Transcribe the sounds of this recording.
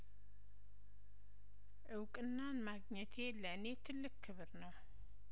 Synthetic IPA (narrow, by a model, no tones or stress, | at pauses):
ʔɨwkʼɨnːanmaɡɲɛt̪ʰeləʔnet̪ʰɨlːɨkʰːɨβɨɾnəw